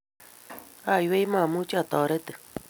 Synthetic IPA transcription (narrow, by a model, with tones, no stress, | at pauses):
a˦˨jwe˦i˦mã˦˨mu˦t͡ʃa˨t̪a˨ɾe˦t̪ɨ˨